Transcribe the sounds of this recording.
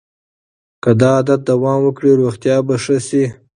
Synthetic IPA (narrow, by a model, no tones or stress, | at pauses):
kad̪ɑːd̪at̪̚d̪awɑmwəkɽiɾuxt̪jɑbaʂəsi